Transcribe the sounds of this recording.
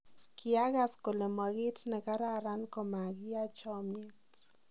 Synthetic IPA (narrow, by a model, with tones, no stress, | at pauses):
kʰɪ˨a˦ɣa˨sko˨le˨ma˨ɡɪ˦tnɛ˨ka˦ɾa˦ɾa˦nko˨ma˨ɡɪ˦a˦t͡ʃɔ˦mɪ˦t